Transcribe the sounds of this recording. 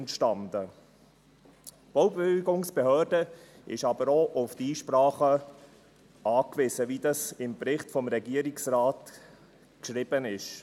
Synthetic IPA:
ntʃtɑndə | b̥owbɡʊŋsb̥ehœːɾd̥ə | ɪ̰ʃɑbəɾoʔʊftiːʃprɑːχə | ɑːkvɪzəvidɑsɪmpɾɪχtfɔmɾɛɡiəɾiksrɑːt | kʃɾɪb̥ənɪʃ

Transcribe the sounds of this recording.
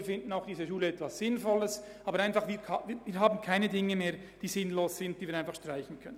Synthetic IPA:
fɪndn̩aʊxd̥iːzəʃuːləɛtvasɪnfɔləs | ɑːbəɾaɪnfɑχviːviːviːɾɦaːbn̩kʰaɪnədɪŋəmeːɾd̥iːzɪnloːssɪnt̚d̥iːviːɾaɪnfɑχʃtr̥aɪçn̩kʰœnə

